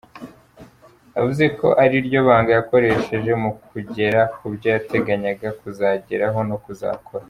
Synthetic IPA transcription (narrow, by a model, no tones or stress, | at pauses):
avuze̞ko̞̰ʔaɾiɾɟo̞βaːŋɡajako̞ɾe̞ʃe̞ʒe̞mukuɟe̞ɾakubɟajate̞ɡaɲaɡakuzaɟe̞ɾaɦo̞nokuza̰ːkʰo̞ɾa